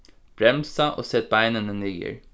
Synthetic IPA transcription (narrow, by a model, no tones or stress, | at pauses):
b̥ɾɛmsɑʔo̰ːsɛt̪̚bæɪnənənyːɡə̰ɹ